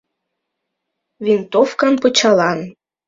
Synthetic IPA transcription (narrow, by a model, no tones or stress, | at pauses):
vint̪ofkɑnpɤ̆t͡ɕɑlɑn